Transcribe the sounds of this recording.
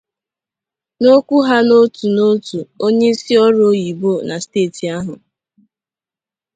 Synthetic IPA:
no˦kʷu˦ɦa˦no˦tu˨no˦tu˨o˦ɲe˦i˦si˦ɔ˦ɾo˦ji˨bo˦˨na˨steː˦˨ti˨a˦ɦʊ˨

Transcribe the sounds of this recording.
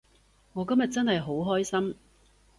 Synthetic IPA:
ŋɔː˨˧kɐ˥mjɐ˨t̚t͡sɐ˥nhɐ˨jɦo˨˥wɦɔː˥jsɐ˥m

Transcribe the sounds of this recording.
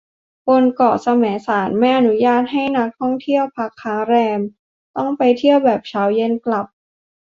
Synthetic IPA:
po˧nkɔː˨˩sa˧mɛː˩˦saː˩˦nmɛː˥˩ʔa˧nu˦˥jaː˥˩t̪̚ɦa˥˩jna˦˥k̚t̪ʰɔ˥˩ŋt̪ʰi˥˩əwpʰa˦˥kʰːaː˦˥ŋɾɛː˧m | t̪ɔ˥˩ŋpa˧jt̪ʰi˥˩əwbɛː˨˩p̚t͡ɕʰaː˦˥wje˧˨nkla˨˩p̚

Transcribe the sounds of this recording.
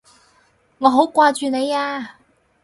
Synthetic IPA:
ŋɔː˨˧ɦo˨˥wkʷaː˧t͡ʃyː˨ne˨˧jaː˧

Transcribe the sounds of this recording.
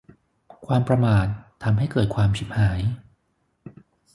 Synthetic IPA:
kʰwaː˧mpɾa˧maː˨˩t̪ʰːa˧mɦa˥˩jkɤː˨˩t̪̚kʰwaː˧mt͡ɕʰi˨˦p̚haː˩˦j

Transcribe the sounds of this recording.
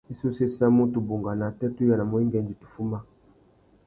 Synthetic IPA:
i˦so˦se˦sa˦mo˦to˨bo˨ŋɡa˨na˨tɛ˦tu˦ja˨na˨mo˨i˦ŋɡɛ˨nd͡ʒi˨tu̥˨fu˦ma˦

